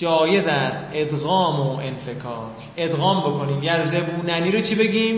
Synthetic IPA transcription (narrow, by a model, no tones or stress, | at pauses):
d͡ʒɒːje̞zæst̪e̞d̪ɣɒːmoʔenfe̞kʰɒːkʰ | e̞d̪ɣɒːmbo̞kʰo̞niːmjæzɾebuːnæniːɾot͡ʃʰibe̞ɡʲiːm